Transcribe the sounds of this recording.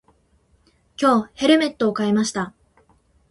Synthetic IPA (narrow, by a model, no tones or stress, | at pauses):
kʲo̞ːhe̞ɾɯ̟me̞t̪ːo̞ːkaemaɕi̥t̪a